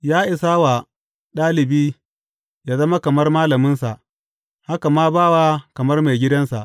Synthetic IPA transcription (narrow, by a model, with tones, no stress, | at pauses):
jaː˦ʔɪ˨saː˦waː˨ | ɗaː˦lɪ˨biː˦ | jaː˦zɐ˦ma˦kɐ˨mɐ˦rmaː˦lɐ˨mɪ˦nsa˨ʔ | ha˦ka˨maː˦baː˦˨waː˦kɐ˨mɐ˦rma˨jɡʲɪ˦dɐ˦nsa̰˨ʔ